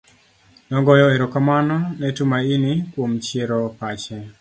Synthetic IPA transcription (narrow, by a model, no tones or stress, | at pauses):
nɔŋɡɔjɔeɾɔkamanɔnɛtumainikwomt͡ʃeɾɔpat͡ʃɛ